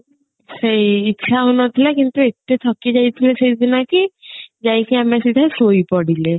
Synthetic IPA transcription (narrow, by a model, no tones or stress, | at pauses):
sejːtːʃʰaɦunɔt̪ʰilakint̪uet̪et̪ʰɔkid͡ʒajt̪ʰilesejd̪ʱinakid͡ʒajkiamasid̪ʱasojpɔɽile